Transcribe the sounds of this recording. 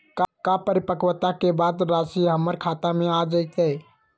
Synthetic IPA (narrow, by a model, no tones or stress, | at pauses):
kkapəɾipəkwət̪akebad̪ɾasiɦəmːəɾkʰat̪amead͡ʒət̪ɛ